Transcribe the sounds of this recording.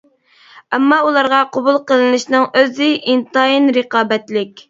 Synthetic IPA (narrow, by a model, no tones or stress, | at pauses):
ɛmːɑulˠɑɾʁɑqʰobulˠqəlˠɨnɨʃnɨŋøzɪʔint̪ɑinɾəqɑːbɛt̪lɪkʲ